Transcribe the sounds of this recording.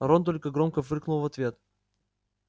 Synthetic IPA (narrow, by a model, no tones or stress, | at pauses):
ɐɾont̪̬olʲkəɡɾomkəfɨrknʊlˠvɐt̪vʲe̞t̪